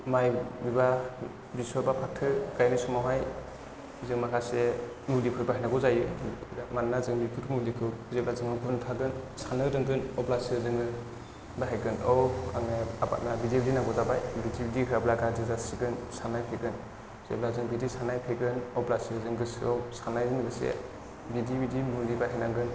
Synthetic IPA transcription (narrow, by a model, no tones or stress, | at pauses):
majbiba | bisɔɾbapʰak̚tʰɯɡajnɯsɔmawɦaj | zɯŋmakʰase | mulipʰɯɾbaɦajnaɡɔzajɯmannazɯŋmikʰɯtʰumulikʰɯzep̚lazɯŋɯɡʰuntʰaɡɯnsanɯdɯŋɡɯnɔplasɯzɯŋɯ | baɦajɡɯnɔwaŋneaba̰t̚nabidebidinaɡɔzabajbidibidikʰɾablaɡazɯzasiɡɯnsanajpʰeɡɯn | z̥ep̚lazɯŋbidisanajpʰeɡɯnɔplasɯzɯŋɡɯsɔwsanajzɯŋɡɯsḛ | bidibidimulibaɦajnaŋɡɯn